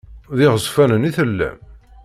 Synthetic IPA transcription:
ðɪʁəzˤfænəniθəlːæ̰m

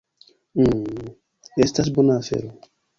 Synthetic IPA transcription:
ɛstas̬bonafɛ̰ɾo

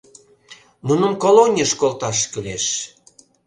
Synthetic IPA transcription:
munəmkolonʲəʃkolt̪ɑʃkəleʃ

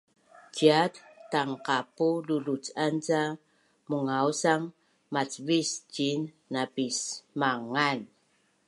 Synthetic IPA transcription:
t͡ɕiattaŋqapululut͡sant͡sa | muŋausaŋ | mat͡svist͡ɕinː | abismaŋan

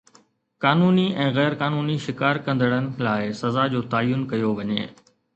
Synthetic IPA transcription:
kaːnuːniɛ̃ːɣɛːɾkaːnuːniʃɪkaːɾkɐ̃nd̪əɽ̃ənɪ̆laːɪsɐzad͡ʑoːt̪aːjʊnkɐjoʋɐɲḛː

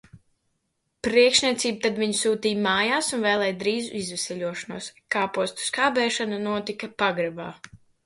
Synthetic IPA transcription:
pɾiɛkʃnʲiɛt̪siːbut̪ad̪viɲusuːt̪iːjmaːjaːsunvɛːlˠɛːjd̪ɾiːzuizvɛsɛʎʲuɔʃɐnuɔskaːpuɔst̪u̥skaːbɛːʃananuɔt̪ikapaɡɾɛbaː

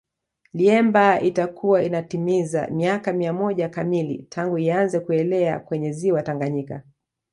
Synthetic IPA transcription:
liɛmbaitakuwainatimiza̰miakamiamɔʄakamilḭtʰaŋɡuianzɛkuɛlɛa̰kwɛɲɛziwataŋɡaɲika̰

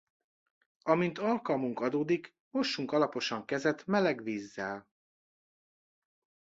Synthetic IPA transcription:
ɒmint̪ɒlkɒlmuŋkɒd̪oːd̪ik | mo̞ʃːuŋkɒlɒpo̞ʃɒŋkɛzɛt̪mɛlɛɡʋiːzːɛl

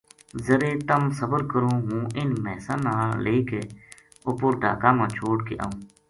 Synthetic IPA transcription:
zəɾeːt̪əmsəbəɾkəɾõːɦũːʔɪnmɛːsãːnãːleːkeː | ʊpʊɾɖʱa̰ːkãːmãːt͡ʃʰoːɽkḛːʔa̰ːũː

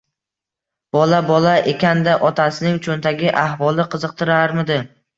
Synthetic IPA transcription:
b̥ɒlabɒlaʔekʲand̪aʔɒt̪ʰasɪnɪŋt͡ʃʰont̪ʰaɡʲɪʔahvɒlˠɪqʰɨzɨq̚t̪ʰɪɾaɾmɪd̪ɪ

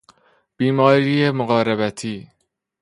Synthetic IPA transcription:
b̥iːmɒːɾiːjemoɣɒːɾeβæt̪ʰiː

